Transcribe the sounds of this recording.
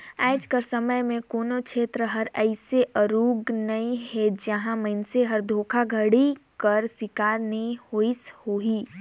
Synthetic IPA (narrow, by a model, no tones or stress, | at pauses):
aːd͡ʒkəɾsɐməjmẽkoːnokʃʰeːt̪ɾəɦɐɾɛɪseʔəɾuːɡnɐĩɦɛd͡ʒəɦãmɐɪnseɦɐɾd̪ʱoːkʰaɡʱɐɽikɐɾsɪkaːɾnəĩhoːishoːɦiː